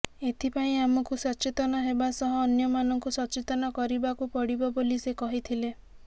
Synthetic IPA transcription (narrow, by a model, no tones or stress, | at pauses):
et̪ʰipaĩamɔkusɔt͡ʃet̪ɔnɔɦebasɔɦɔːnjɔmanɔŋkusɔt͡ʃet̪ɔnɔkɔɾibakupɔɽibɔbolisekɔɦit̪ʰile